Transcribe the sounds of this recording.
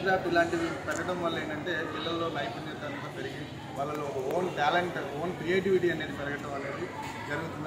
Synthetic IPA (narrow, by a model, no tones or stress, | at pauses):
ɾaːpilaːɳʈiʋipɛɾɐɡɐʈɐmʋɐlːɐe̞ːɳʈɐɳʈe̞ːpilːɐlːo̞ːlɐjpɐnet̪ɐnt̪ɐːpeɾiɡi | ʋaːɭːɐloːkɐfoːnʈaːleɳʈfoːnkɾieːʈiʋiʈiɐneːd̪ipɛɾɐɡɐʈɐ̃mʋɐlːeːd̪i | d͡ʒɐɾɐɡut̪und̪